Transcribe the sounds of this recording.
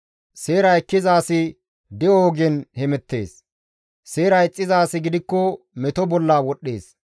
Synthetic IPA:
se̞ːɾɐjkːɪzaːsɪ | d̪ɛoːɡɛnhɛmɛt̪ːe̞̰ːs | se̞ːɾɐjt͡sʼːɪzaːsɪɡɪd̪ɪkːɔ | mɛt̪ɔbɔlːaːwɔɗːeːs

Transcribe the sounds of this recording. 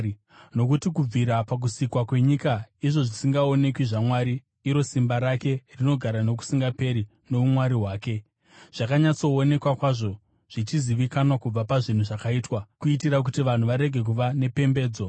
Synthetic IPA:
no̞k̬utikub͡viɾapak̬usikwakwe̞ɲikaiʐo̞ʐisiŋɡao̞ne̞kwiʐamwaɾiː | ɾo̞simbaɾake̞rino̞ɡʱaɾano̞k̬u̥siŋɡape̞ɾi | no̞umwaɾiɦwaːke̞ | ʐ̥akaɲat͡so̞ːne̞kwakwaʐo̞ | ʐ̥it͡ʃiziʋikanwakub͡vapaʐin̤uʐakaiːtwakuitiɾak̬utiʋan̤uʋaɾe̞ɡʱe̞k̬uʋane̞pe̞mbe̞ːd͡zo̞

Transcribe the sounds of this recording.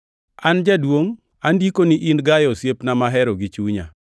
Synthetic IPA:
and͡ʒadwoŋ | andikoniʔinɡajɔsjepnamaɦɛɾɔɡit͡ʃuɲa̰

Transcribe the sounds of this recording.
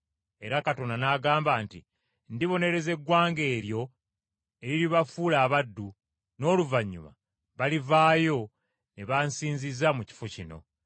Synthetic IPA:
e̞ɾakato̞nanaːɡaːmbaːnti | ndiβo̞ne̞ɾe̞ze̞ɡːwaːŋɡe̞ːɾjo̞ | eɾiliβafuːlaːβadːu | no̞ːluvaɲːṵma̰ | βalivaːjo̞ | neβansiːɲzizamuci̥focino̞̰

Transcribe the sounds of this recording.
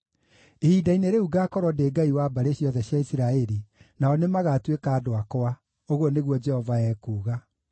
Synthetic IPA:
eidaineɾeuɡakɔɾwɔdeːɡaiwabaɾeɕjɔðɛɕjaisiɾaɛɾinaɔnemaɣatwekaːdoakoa | oɣwɔneɣwɔd͡ʒɛhɔvaɛːkuːɣa

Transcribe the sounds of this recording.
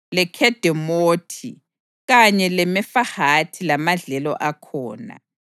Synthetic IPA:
lɛkʰɛd̥ʱɛmoːtʰḭ | ɣaɲɛlɛmɛfahatʰilamaɮɛlɔ̰ʔakʰɔːna̰

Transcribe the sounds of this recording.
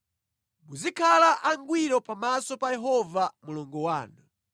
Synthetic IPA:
muzikʰalaʔaŋɡwiɾɔpamasɔpajɛɦɔvamulɔŋɡɔwaːna

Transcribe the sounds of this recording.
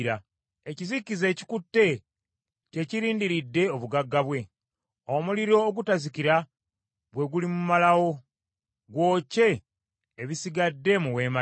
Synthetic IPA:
ɾa | ecizikize̞ːci̥kutːe̞ | ce̞ciɾiːndiɾidːe̞oβuɡaɡːaβwe̞ | omuliɾo̞ːɡutazikiɾa | bwe̞ɡulimumalawo̞ | ɡwo̞ːce̞ː | βisiɡadːe̞muwe̞ma

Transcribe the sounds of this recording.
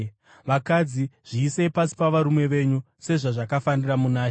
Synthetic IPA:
ʋakad͡ziʐ̥iːse̞pasi̥paʋaɾumwe̞ʋe̞ɲu | se̞ʐaʐakafaniramunaː

